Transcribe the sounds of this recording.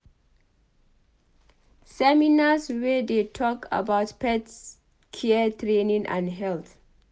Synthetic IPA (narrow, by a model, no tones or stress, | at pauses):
sɛminaswɛdetʰɔkʰa̰bawtpɛts | kʰɛətʰɹenĩŋʔã̰nɦɛlt